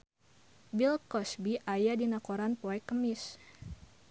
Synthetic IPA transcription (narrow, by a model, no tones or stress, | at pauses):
bilkɔsbiʔajadinakoɾanpoɛkːəmɪs